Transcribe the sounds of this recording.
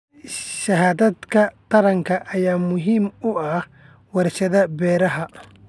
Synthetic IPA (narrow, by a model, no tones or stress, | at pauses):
ʃɐɦaːðɐd̪kʰɐt̪ʰɐɾɐŋkʰɐʔːjaːmʊɦiːmʊɐh | wɑɾt͡ʃɐðɐbɛːɾɐɦɐ